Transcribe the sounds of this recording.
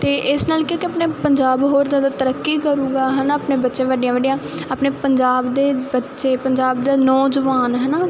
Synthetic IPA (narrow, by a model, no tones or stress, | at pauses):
t̪eːʔɪsnaːlkjõːkɪəpneːpəɲd͡ʒaːbɦoːɾzaːd̪aːt̪əɾəkːiːkəɾũːɡaːɦɛnaːəpneːbətːʃẽːʋəɖijãːʋəɖijãːaːpneːpəɲd͡ʒaːbd̪eːbətːʃeːpəɲd͡ʒaːbd̪aːnɔːd͡ʒʋaːnɦənaː